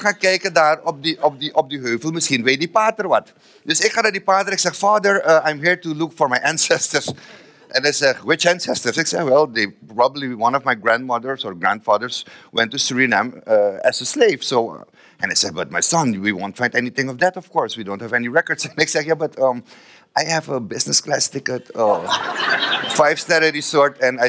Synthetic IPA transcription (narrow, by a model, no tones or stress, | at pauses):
xãkɛjkədaɹɔp̚diɔp̚diʔɔp̚diɦøːvəlˠmɪsxinwet̚dipatəɹwat | d̥ɪsɪkxãnadipaːdəɾɪksɛxfaːdəɹəãjmɦiɹtulʊkfɔɹmajʔæ̃nsɛstəɹs | ʔɛ̃naɪsɛχwɪt͡ʃæ̃nsɛstəɹsɪksɛxwɛlˠdepɹɑbəbliwʌ̃nɔvmajɡɹæ̃nd̚mʌdəɹsɔɹɡɹæ̃ndfaːdəɹswɛ̃ntːusɹinæ̃mʌæzəsleɪv̥soʊ̰ | ʔɛ̃naɪsɛd̚bʌt̚maɪsʌ̃nwiwõntfãɪ̃ndɛniθɪ̃ŋɔvd̪ætɔv̥kɔɹswidõʊ̃nthævɛniɹɛkəɹdsɛ̃nɛksɛkjabʌtʰʌ̃m | ʔaɪhævəbɪsnəsklæstɪkətʌ | faɪv̥stæɾɛɾisɔɹtɛ̃naɪ